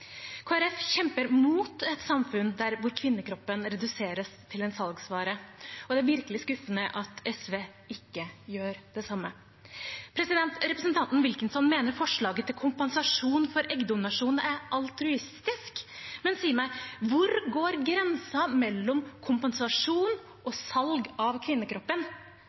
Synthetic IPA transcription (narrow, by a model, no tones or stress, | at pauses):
kʰoːæɾɛfçɛmpəɾmuːt̪ɛt̪sɑmfʉnd̪æɾʋʊɾkʰʋɪnːəkʰɾɔpːənɾɛd̪ʉseːɾəst̪ʰɪlɛnsɑlɡsʋɑːɾəɔd̪ɛæɾʋɪɾkəlɪskʉfːənəʔɑt̪ʰɛsʋeː | ɪkːəjøːɾd̪ɛsɑmːə | pʰɾɛsɪd̪ɛnt̪ɾɛpɾəsənt̪ʰɑnt̪n̩ʋɪlkənsɔnmeːnəɾfɔʂɭɑːɡət̪ʰːɪlkʰʊmpɛnsɑʂuːnfɔɾʔɛɡd̪ʊmnɑʂuːnæɾʔɑlt̪ɾʉɪst̪ɪskmɛnsiːəɾmæɪʋʊɾɡoːɾɡɾɛnsɑmɛlːɔmkʰʊmpɛnsɑʂuːn | ɔsɑlɡɑʋkʰʋɪnːəkʰɾɔpːən